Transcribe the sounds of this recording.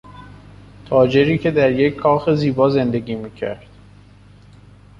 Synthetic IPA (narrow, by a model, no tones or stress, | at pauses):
t̪ʰɒːd͡ʒe̞ɾiːcʰe̞d̪æɾje̞cʰːɒːxe̞ziːbɒːze̞nd̪e̞ɡiːmiːcʰæ̰ɾd̪̥